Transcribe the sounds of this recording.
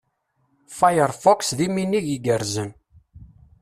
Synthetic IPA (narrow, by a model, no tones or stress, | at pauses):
fajəɾˤfɔksðiminːiʝiɡəɾzən